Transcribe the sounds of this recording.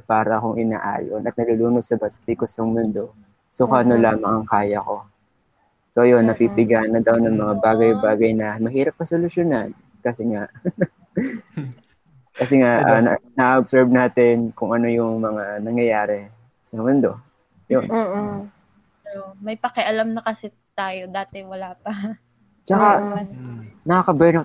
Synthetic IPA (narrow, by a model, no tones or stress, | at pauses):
paːɾɐʔɐkoŋʔɪna̰ːʔa̰ːjo̰nɐt̪̚nɐluluːnod̪̚sɐbɐt̪t̪ikosɐŋmʊnd̪o̞ | sokɐʔɐnolaːmɐŋɐŋkaːjɐko̞ | so̞jonːɐpipɪɡaːnɐd̪ɐwnɐŋmɐŋabaːɡɐjbaːɡɐjnɐmɐɦiːɾɐp̚ːɐsolʊʃjonɐn | kɐsɛŋaʔ | kɐsɛŋaʔʔɐ̰ɐ̰nɐʔaʔobsɛɹb̚naːt̪ɛnkʊŋʔɐno̞jʊŋmɐŋanɐŋjɐjaːɾɛ | sɐmʊnd̪o̞ | jonː | omɐjpɐkɛʔɐlamnɐkɐsɪ | t̪aːjod̪aːt̪ɛwɐlaːpɐ | t͡ʃɐka | nɐakɐbɛnot̪